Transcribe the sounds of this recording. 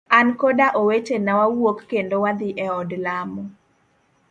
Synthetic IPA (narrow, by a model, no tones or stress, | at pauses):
ankodaʔowetenawawwokːendowad̪ɪʔɛɔdlamɔ